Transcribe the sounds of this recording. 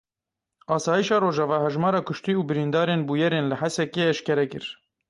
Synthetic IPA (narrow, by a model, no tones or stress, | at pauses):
ɑːsɑːjiʃɑːɾoːʒɑvɑːɦɛʒmɑːɾɑːkʰʊʃt̪iːuːbɨɾind̪ɑːɾeːnbuːjɛɾeːnlɨħɛsɛkeːɛʃkɛɾɛkɨɾ